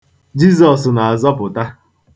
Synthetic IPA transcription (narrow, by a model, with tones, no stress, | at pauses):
d͡ʒi˦zɔ˨sna˨a˨zɔ˦pʊ˨ta˦